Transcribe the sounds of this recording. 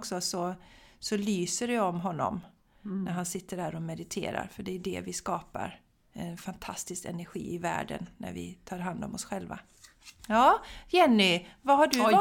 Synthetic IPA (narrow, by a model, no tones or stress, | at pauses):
ksɔsɔsɔlyːsəɾɛɔmɦɔnːɔ̰m | næɾɦansɪt̪ːəɖhæːɾɔmɛd̪ɪt̪ʰḛːɾa̰ɾfœɖɛʉɖɛ̰vɪskɑːpa̰ɾ | ɛnfant̪ʰast̪ɪskɛ̰næɾɧḭːɪvæ̰ːɖə̰nnːæ̰ɾvɪ̰t̪ʰɑːɾɦand̪ɔmɔsɧɛlva̰ | jɑːjɛnːɪvaɦaɖɵ